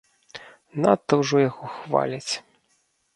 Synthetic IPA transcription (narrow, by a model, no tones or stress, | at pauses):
na̰t̪ːɐwʐɔjaɣɔxva̰lʲɐt͡sʲ